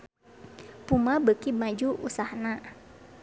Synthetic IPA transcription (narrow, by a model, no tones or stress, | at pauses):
pumabəkimad͡ʒuʔṵsahna